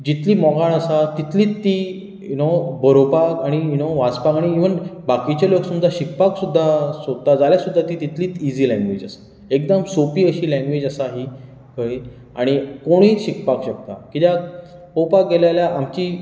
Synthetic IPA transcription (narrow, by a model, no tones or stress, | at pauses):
d͡ʑit̪liːmɔɡaɭ̃əsat̪it̪liːt̪ːi | junobʱəɾopakaɽ̃ijunoʋat͡spakaɽ̃iiʋənbakit͡ɕaloksəmd͡z̪ʱaɕikpaksud̪ʱːasod̪̚t̪ad͡zaljasud̪ʱːat̪iːt̪it̪liːt͡sid͡ziːlãŋɡʋed͡ʑasḁ | ek̚d̪əmsopiːəɕiːlɛ̃ŋɡʋed͡ʑasaɦi | kəj | a̰ɽ̃ikoɽ̃iːɕikpakɕək̚t̪a̰kit̪jakowpak̚ɡelajljaʔamt͡ɕiː